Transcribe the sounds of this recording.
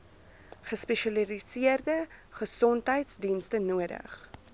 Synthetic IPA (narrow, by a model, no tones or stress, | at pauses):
χəspɛʃɐlilisiərdəχəsɔntɦəjtsdinstənuədə̰χ